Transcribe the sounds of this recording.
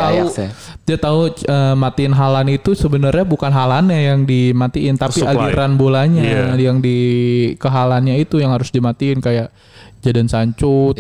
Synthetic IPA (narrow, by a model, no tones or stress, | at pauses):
t̪au | d͡ʒat̪auəmat̪iɪnɦalanit̪usəbənərɲabukanɦalanɲajaŋdimat̪iɪnt̪apiaɡiɾanbolaɲajaŋdikəɦalanɲait̪ujaŋhaɾʊsdimat̪iɪnkajaʔ | d͡ʒadansaɲt͡ʃʊt̪̚